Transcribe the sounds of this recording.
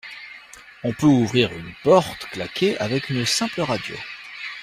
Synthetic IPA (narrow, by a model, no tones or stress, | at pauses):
ɔ̃pøuvʁiʁynpɔʁt̪klakʲʰeʔa̰vɛkynsɛ̃pləʁad̪jo̰